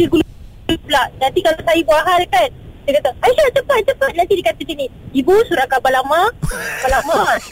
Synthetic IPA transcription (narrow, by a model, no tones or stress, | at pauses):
iɡul | plaʔnant̪ikalasajabuaɦalkansakat̪aajisat͡ʃəpat̪̚t͡ʃəpat̪̚nant̪idikat̪asiniibusuɾakabalamabalama